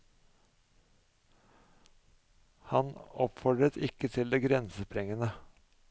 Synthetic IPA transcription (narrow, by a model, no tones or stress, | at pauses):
hɑnɔpfɔɖɾət̪ʰɪkət̪ʰɪld̪eːɡɾɛnsəpʰɾɛŋənə